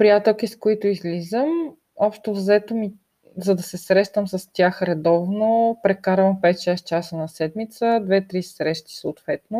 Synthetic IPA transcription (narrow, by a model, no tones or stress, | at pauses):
pɾijat̪ɛlˠkiskoit̪ʊizlizəm | ɔpʃt̪ovzɛt̪omi | zɐd̪ɐsɛsɾɛʃt̪əmsɐst̪ʲaxɾɛd̪ɔvnopɾɛkaɾvəmfpɛt̪̚t͡ʃast͡ʃasənɐsɛd̪mit̪səd̪vɛt̪ɾisɾɛʃt̪i̥soʊt̪vɛt̪no